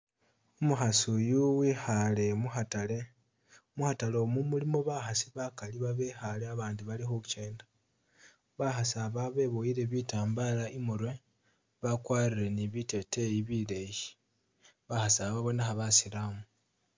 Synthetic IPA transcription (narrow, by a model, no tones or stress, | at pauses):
umuxasujuwixale̞muxatale | muxatalomumulimo̞βaxasiβakaliβaβexaleaβaːndiβalixuut͡ʃe̞ːndḁ | βaxasaβaβe̞βojiɾe̞βitaːmbalaʔimuɾwe̞ | βakwaːriɾe̞niβite̞tejiβileji̥ | βaxasaβaβo̞naxaβasilamu